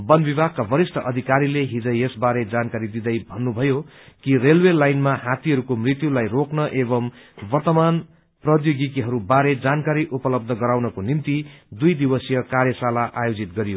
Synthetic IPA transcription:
bʌnbibʱaɡ̚kabʌɾisʈʰʌʔʌd̪ʱikaɾileɦid͡zʌ̃jesbaɾed͡zankaɾid̪id̪ʌjbʱʌnːubʱʌjo | kirelwelajnmaɦat̪iɦʌɾukomrit̪julajroknʌʔebʌmbʌrt̪ʌman | prʌd̪joɡit̪iɦʌɾubaɾed͡zankaɾiʔupʌlʌb̚d̪ʱʌɡʌɾawnʌkonimt̪id̪ujd̪ibʌsjʌkaɾjʌsalaʔajod͡zit̪ɡʌɾijo

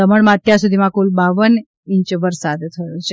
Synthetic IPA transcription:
əməɭmãət̪jaɾsud̪ʱimãkulbaʋən | ĩɲt͡ʃʋəɾsad̪t̪ʰəjũt͡ʃʰe

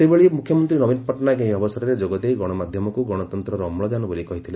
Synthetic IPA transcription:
sebeɭimukkʰjɔmɔnt̪ɾinɔbinpɔʈnaɡẽɦĩɔbɔsɔɾɔɾed͡ʒoɡɔd̪ejɡɔɽ̃ɔmad̪ʱjɔmɔkuɡɔɽ̃ɔt̪ɔnt̪ɾɔɾːmɭɔd͡ʒanɔbolikɔɦit̪ʰile

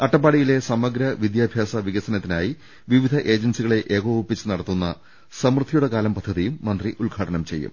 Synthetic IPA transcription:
ɐʈːɐp̬ːaːɽijile̞sɐmɐɡɾɐʋid̪jaːbʱjaːsɐʋiɣɐsɐnɐt̪ːinaːji | ʋiʋid̪ʱɐʔe̞ːd͡ʑɐnsiɣɐɭe̞ʔeːɡoːʋupːit͡ɕːɨnɐɽɐt̪ːunːɐ̰ | sɐmrɨd̪ʱːijuɽe̞kaːlɐmpɐd̪ʱːɐðijumːɐnd̪riʔuɭɡʱaːʈɐnɐmt͡ɕe̞̰jːṵm

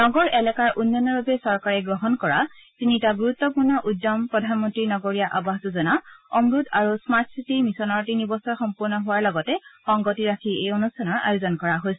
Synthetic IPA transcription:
nɔɡɔɹʔɛlɛkaɹʔunːɔnɔɹbabɛsɔɹkaɹɛɡɹɔɦɔnkɔɹatinitaɡuɹutːɔpuɹnɔʔudːɔmpɹɔdʱanmɔntɹinɔɡoɹijaʔabaɦtuzɔnaɔmɹudaɹusmaɹtʰsitimisɔnɔɹtinibɔsɔxɔmpuɹnɔɦʊwaɹlɔɡɔtɛxɔŋɡɔtiɹakʰiejonustʰanɔɹa̰jozɔnkɔɹaɦojsɔ

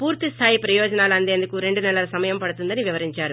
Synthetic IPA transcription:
puːɾt̪ist̪ʰaːjipɾɐjɔːd͡ʒɐnaːlɐnd̪e̞ːnd̪ukuɾe̞ɳɖunɛlɐlɐsɐmɐjɐmpɐɽut̪und̪ɐniʋiʋɐɾiɲt͡ʃaːɾu

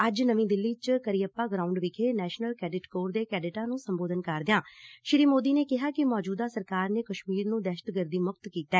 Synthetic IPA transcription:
əd͡ʒnəʋĩːd̪ɪlːiːt͡ʃkəɾiːəpːaːɡɾaːʊɳɖʋɪkʰeːnɛːʃnəlkɛːɖɪʈkoːɾd̪eːkɛːɖɪʈãːnũːsəmboːd̪ənkəɾd̪ɪjãːʃɪɾiːmoːd̪iːneːkɪɦaːkɪmɔːd͡ʒuːd̪aːsəɾkaːɾneːkəʃmiːɾnũːd̪ɛːʃə̥t̪ɡəɾd̪iːmʊk̚t̪kiːt̪aː

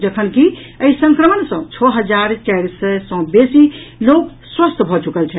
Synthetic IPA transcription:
d͡ʒəkʰənkiəisə̃ŋkɾəmənsə̃t͡ʃʰɔɦəd͡ʒaɾt͡ʃajɾsəsə̃besilok | swəst̪ʰbʱɔt͡ʃukəlt͡ʃʰɛ

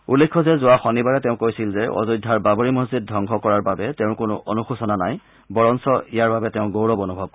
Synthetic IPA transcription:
ulːekʰːɔzɛzʊwaxɔnibaɹɛtɛʊ̃kojsilzɛʔɔ̰zɔjdʱaɹbaboɹimozzid̚dʱɔŋɡʰʱɔkɔɹaɹbabɛtɛʊ̃kʊnʊ̰ʔonuxusɔnanaj | bɔɹɔnsɔijaɹbabɛtɛʊ̃ɡowɹɔbɔnubʱɔb̚k

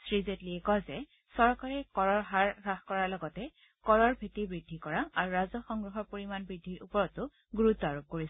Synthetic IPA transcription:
sɹizetliɛkɔzɛ | sɔɹkaɹɛkɔɹɔɹɦaɹɹaxkɔɹaɹlɔɡɔtɛ | kɔɹɔɹbʱetibɹidʱːikɔɹaaɹuɹazɔxɔŋɡɹɔɦɔɹpoɹimanbɹidʱːiɹupɔɹɔtʊ | ɡuɹutːɔaɹup̚koɹis

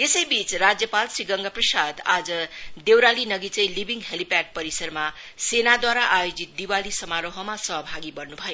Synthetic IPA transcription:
esʌjbit͡srad͡zjʌpalsriɡʌŋɡʌprʌsad̪ad͡zʌd̪ewɾalinʌɡit͡sʌjlibiŋɡɦelipak̚pʌɾisʌrma | senad̪waɾaʔajod͡zit̪̚d̪iwalisʌmaɾoɦʌmasʌɦʌbʱaɡibʌrnubʱʌjo

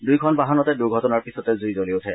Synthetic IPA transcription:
dujkʰɔnbaɦanɔtɛduɹɡʱɔtɔnaɹpisɔtɛzujzoliotʰɛ

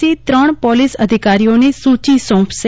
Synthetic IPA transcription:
it̪ɾəɳ̃pɔlisəd̪ʱikaɾijonesũt͡ʃisɔ̃ːpʰse

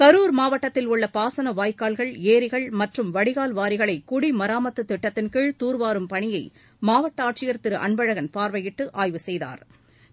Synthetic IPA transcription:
kɐɾuːɾmaːʋɐʈːɐt̪ːɪlʊɭːɐpaːsɐnɐʋaːjkaːlɣɐɭeːɾɪɣɐɭmɐʈrɯmʋɐɽɪɣaːlʋaːɾɪɣɐɭɐɪkːʊɽimɐɾaːmɐt̪ːɯt̪ːɪʈːɐt̪ːɪnkɪɻt̪uːɾʋaːɾɯmpɐɳɪjɐɪ | maːʋɐʈːɐaːʈ̚t͡ʃɪjɐɾt̪ɪɾɯʔɐ̰ɳbɐɻɐɣɐnpaːɾʋɐjɪʈːɯʔaːjʋɯsɛjða̰ːɾ

